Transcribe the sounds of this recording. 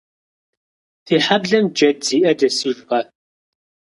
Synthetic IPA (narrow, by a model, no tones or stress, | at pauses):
tʰiːħabɮɐmd͡ʒɐdz̥iːʔɐdɐsiːbʔɐ